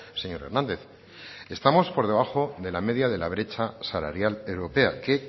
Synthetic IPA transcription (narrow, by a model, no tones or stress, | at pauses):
se̞ɲo̞ɾe̞ɾnãnd̪e̞θ | e̞st̪amo̞spo̞ɾð̞e̞β̞axo̞ðe̞lame̞ð̞jaðe̞laβ̞ɾe̞t͡ʃasala̰ɾjale̞wɾo̞pe̞ake̞